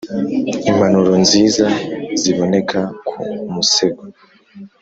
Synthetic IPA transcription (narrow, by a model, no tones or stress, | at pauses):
imbanuɾonziːzaziβo̞ne̞kʰakʰṵmuseɡo